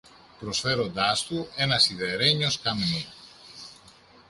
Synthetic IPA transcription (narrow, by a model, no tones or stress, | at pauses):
pɾosfeɾod̪ast̪uenɐsiðeɾeɲoskameni